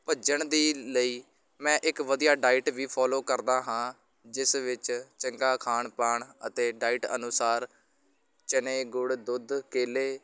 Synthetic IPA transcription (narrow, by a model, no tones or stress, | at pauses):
pəd͡ʒəɳd̪iːləiː | mɛ̃ːʔɪkʋəd̪ijaːɖaːɪʈʋiːpʰɔːloːkəɾd̪aːɦãː | d͡ʒɪsʋɪt͡ʃt͡ʃəŋkaːkʰaːɳpaːɳət̪eːɖaːɪʈə̰nʊsaːɾ | t͡ʃəneːɡʊɽd̪ʊd̪keːleː